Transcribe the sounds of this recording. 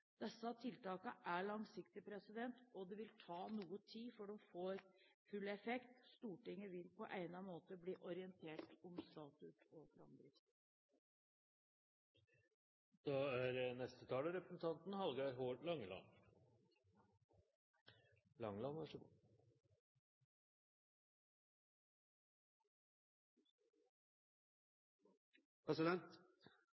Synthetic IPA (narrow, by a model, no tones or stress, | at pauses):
d̪̥ɛsːɑt̪ʰɪlt̪ɑːkəʔæɭɑŋsɪkt̪ɪpʰɾɛsɪd̪ɛnt̪ɔd̪ɛʋɪlt̪ʰɑːnuːət̪ʰiːfɔɖɔmfoːɾfʉlɛfɛkt̪st̪uːʈɪŋːəʋɪlpʰɔʔæɪnɑmoːt̪əbliːʔɔɾɪənt̪ʰeːʈɔmst̪ɑːt̪ʉt̪ʰɔfɾɑ̰md̪ɾɪs | d̪̥ɑæɾənɛst̪ət̪ʰɑːləɾɛpɾəsn̩t̪ʰɑnt̪nhɑlɡɑɾɦoːɖlɑŋːlɑ̰n | lɑŋlɑnʋɑʂə | pʰɾɛsɪd̪ɛnt̪